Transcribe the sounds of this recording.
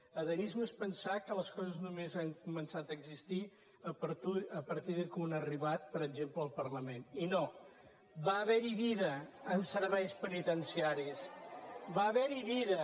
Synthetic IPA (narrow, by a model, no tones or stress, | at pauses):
əðənizməspənsakələskɔzəznumezaŋkumənsat̪əːɡzist̪i | əpəɾt̪uəpəɾt̪iðəkunəriβat̪̚pəɾəɡd͡ʒempləːlˠpəɾləmenino | baəβɛɾiβiðəːmsəɾβɛjspənit̪ənsiaɾisβaːβɛɾiβiðə